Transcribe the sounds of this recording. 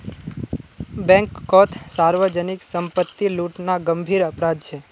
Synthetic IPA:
bɛ̃ŋkːɔt̪ʰsaɾʋəd͡ʒəniksəmpət̪ːiluʈnaɡəmbʱiɾəpɾad̪̚t͡ʃʰe

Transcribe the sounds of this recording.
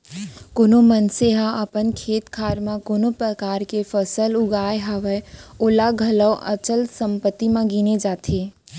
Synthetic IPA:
konomənseɦãəpənkʰeːt̪kʰaːɾmãkonopɾəkaːɾkefəsəlʊɡaːjeɦaːʋəoːlaɡʱɐləwʔə̰t͡ʃəlsə̃mpət̪ːimãɡined͡ʒaːt̪ʰeː

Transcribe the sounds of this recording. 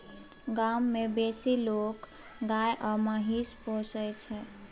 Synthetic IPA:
ɡamːebesilok | ɡajʔɔmaɦisposəjt͡ʃʰɛ

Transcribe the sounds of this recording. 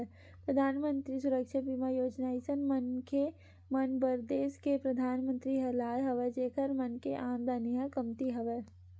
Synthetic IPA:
pɾɐd̪ʱaːnmə̃nt̪ɾisʊɾəkʃəbimajoːd͡ʒnaːisənmənke | mɐnbɐɾd̪eːʃkepɾɐd̪ʱaːnmə̃nt̪ɾiɦɐlaːjɦɐʋɛd͡ʒeːkʰəɾmɐnkeʔãːnd̪aːnijãkɐmt̪iɦɐʋeː

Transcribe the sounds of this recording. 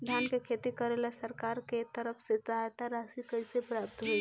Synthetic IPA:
d̪ʱjankekʰet̪ikəɾelasəɾkaɾket̪əɾəpʰset̪ajt̪aɾasikəɪsepɾap̚t̪ɦoi

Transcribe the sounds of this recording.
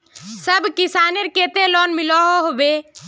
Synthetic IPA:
səbʱkisaneɾket̪elɔnmilɔɦoɦobe

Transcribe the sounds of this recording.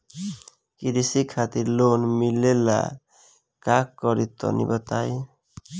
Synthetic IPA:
kiɾisikʰat̪iɾlonmilela̰ | kakkːɔɾit̪ɔ̰nḭbɔt̪aj

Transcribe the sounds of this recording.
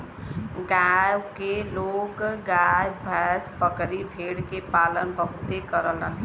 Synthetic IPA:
ɡajkelokɡajbʱəspəkɾibʱeɽkepalənbəɦut̪ekəɾələ̰n

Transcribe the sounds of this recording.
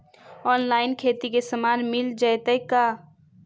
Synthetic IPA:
ɔːnlaːɪnkʰeːt̪ikesəmaːnmɪld͡ʒəjt̪əkːa

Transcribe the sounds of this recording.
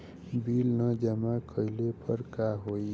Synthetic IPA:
bilnʌd͡ʒamakʰəilepəɾkaɦoj

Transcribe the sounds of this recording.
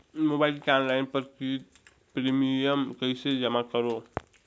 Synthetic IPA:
mobajlkanlajnpəɾk | pɾimijəmkəjsed͡ʒəmakəɾo

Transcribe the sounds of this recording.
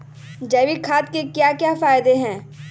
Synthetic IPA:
d͡ʒɛːʋikʰaːt̪̚kekjakjafaːɪd̪eɦɛ̃ː

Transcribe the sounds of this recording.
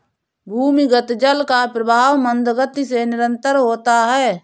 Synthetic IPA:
bʱuːmiɡət̪d͡ʒəlkaːpɾəbʱaːʋmənd̪ɡət̪iseːnɪɾənt̪əɾɦoːt̪aːɦɛː

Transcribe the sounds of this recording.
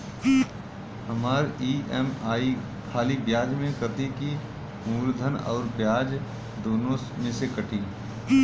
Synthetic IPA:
ɦɐmaːɾiːɛmaːi | kʰaːlibjaːd͡ʒmẽkɾɐt̪iki | uːɾd̪ʱənɔ̰ːɾbjaːd͡ʒ | d̪oːnõsmẽsekɐʈʰĩː

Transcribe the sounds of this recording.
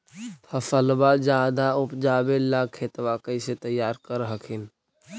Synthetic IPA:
pʰəfəlbad͡ʒaːd̪aʊpd͡ʒaːbelaːkʰːeːt̪ʋakəiset̪əjːaːɾkəɾɦəkʰɪn

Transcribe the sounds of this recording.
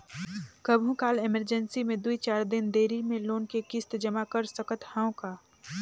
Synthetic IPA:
kəbʱũkaːleməɾd͡ʒənsimẽd̪uit͡ʃaːɾd̪ɪnd̪eːɾimẽloːnkekɪst̪d͡ʒəmakəɾsəkət̪hãːõkaː

